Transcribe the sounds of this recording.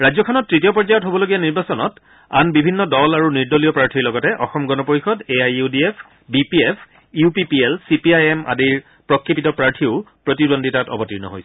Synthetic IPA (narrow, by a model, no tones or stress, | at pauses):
ɹazɔkʰɔnɔtːɹitijɔpɔɹzajɔtɦobɔloɡijaniɹbasɔnɔ̰t | a̰nbibʱinːɔdɔlaɹuniɹdolijɔpɹaɹtʰiɹlɔɡɔtɛʔɔxɔmɡɔnɔpoɹixɔdeajudiepʰ | bipiepʰ | upipielsipiajema̰diɹ | pɹɔkʰɹipitɔpɹaɹtʰiʊ | pɹotidondʱitatɔ̰bɔtiɹnɔ̰ɦo̰jsɛ